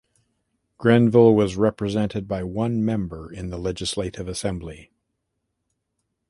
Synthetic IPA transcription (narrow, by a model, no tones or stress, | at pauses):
ɡ̥ɹɛ̃nvɪlˠwʌzɹɛpɹɨzɛ̃ntɨd̚baɪwʌ̃nmɛ̃mbə˞ɪ̃nðəlɛd͡ʒɨsleɪɾɨvɨsɛ̃mbli